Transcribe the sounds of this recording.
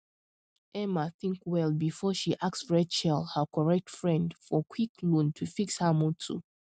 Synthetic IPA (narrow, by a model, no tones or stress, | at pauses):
ʔɛmaθĩŋkwɛlˠbifɔʃiʔaksɹɛt͡ʃɛlˠhəkʰɔɹɛk̚tfɹɛ̃ndfɔkʰwiklũntʰufikshəmutʰṵ